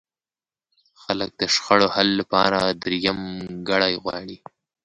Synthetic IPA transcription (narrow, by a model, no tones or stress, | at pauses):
xalək̚d̪əʃxaɽohalːapɑɾad̪ɾijamɡaɽajɣwɑ̰ɽi